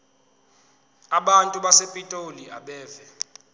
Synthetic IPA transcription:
aɓantʼuɓasepʼitʼoliaɓɛːvɛ

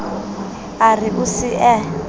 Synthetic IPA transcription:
ariʔusiʔɛ

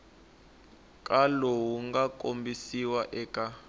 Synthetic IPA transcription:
kʼalowuŋɡakʼombisiwaʔɛːkʼa

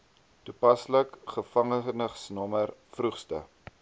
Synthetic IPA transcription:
tupɐsləkχəfɐŋəχnəχsnɔmərfruχstə̰

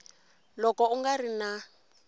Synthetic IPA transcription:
lɔkɔuŋɡarina

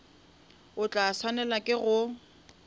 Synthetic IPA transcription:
ʊt͡ɬʼaswanɛlakʼɪɣʊ

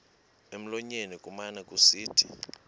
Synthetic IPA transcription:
em̩lɔɲenikʼumanɛkʼusiːtʰḭ

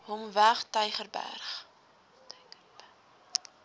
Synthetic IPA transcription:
ɦɔmvæχtœjχərbæ̰rχ

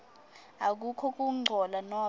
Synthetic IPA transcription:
ak̬ukʰɔk̬ʼuŋ͡ǃʱɔlanɔ

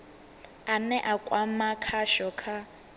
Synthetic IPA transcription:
anɛʔakʼwamakʰaʃɔkʰa

